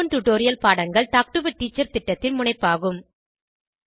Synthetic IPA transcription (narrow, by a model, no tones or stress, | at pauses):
ɐnʈʊʈːoːɾɪjɐlpaːɽɐŋɡɐɭʈaːk̚ʈɯʋɐʈːiːt͡ʃːɐɾt̪ɪʈːɐt̪ːɪlmʊɳɐɪpːaːɣɯm